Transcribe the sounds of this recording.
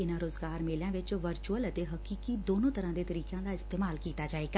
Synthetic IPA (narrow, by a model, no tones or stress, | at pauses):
ɪnaɾoːzɡaːɾmeːlãʋɪt͡ʃʋɐɾt͡ʃuələt̪eɦɐkiːkid̪oːnõt̪ɐɾãd̪et̪ɐɾiːkjãd̪aɪst̪eːmaːlkiːt̪ad͡ʒaːeːɡa